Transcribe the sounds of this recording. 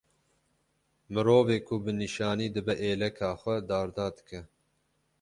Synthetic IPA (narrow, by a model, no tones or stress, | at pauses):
mɨɾoːveːkʰubɨniʃɑːniːd̪ɨbɛʔeːlɛkʰɑːxʷɛd̪ɑːɾd̪ɑːd̪ɨ̥kɛ